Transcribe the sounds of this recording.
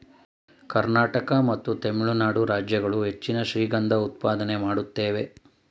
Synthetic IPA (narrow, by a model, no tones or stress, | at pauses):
kɐɾnaːʈɐkɐmɐt̪ːut̪emiɭunaːɽuɾaːd͡ʒjɐɡɐɭuɦe̞t͡ʃːinɐʃɾiːɡɐnd̪ɐut̪paːd̪ɐnemaːɽut̪ːeːʋe̞